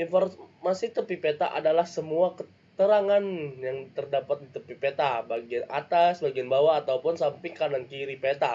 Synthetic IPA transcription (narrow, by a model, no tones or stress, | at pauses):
informasit̪əpipet̪a̰ʔa̰dalahsəmuakə | t̪əɾaŋanjaŋt̪ərdapat̪̚dit̪əpipet̪abaɡiana̰t̪asbaɡianbawaːt̪awpʊnsampɪkanaŋkiɾipet̪a